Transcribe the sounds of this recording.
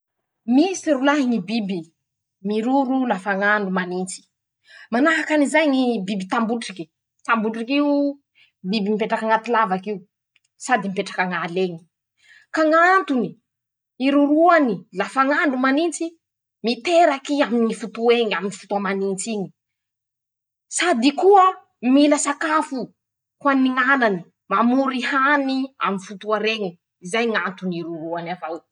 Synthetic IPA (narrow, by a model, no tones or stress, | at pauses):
misiɾulaɦiŋibibi | miɾuɾulafaŋaɳɖ͡ʐumanint͡si̥ | manaɦakanizajɲibibit̪ambuʈ͡ʂiki̥ | t̪ambuʈ͡ʂikiu | bibimipeʈ͡ʂakaŋat̪ilavakiu | sad̪imipeʈ͡ʂḁkaŋaleɲi̥ | kaŋant̪uni | iɾuɾuanilafaŋaɳnumanint͡si | mit̪eɾakiaminifut̪ueŋaminifu̥t̪uamanint͡siɲi̥ | sad̪ikuə | miləsakafu | hwaniŋanani | mamuɾihania̰minfut̪uaɾeɲi | izajŋant̪uniɾuɾuanavaw